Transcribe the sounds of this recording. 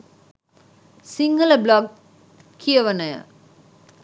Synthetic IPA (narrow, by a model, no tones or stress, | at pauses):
siŋɡəlɐblɔɡ̚ | kʰːijɐʋɐnɐjə̰